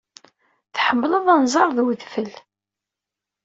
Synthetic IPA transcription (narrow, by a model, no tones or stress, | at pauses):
θħəmːləðˤænzˤɑɾˤðwðfəl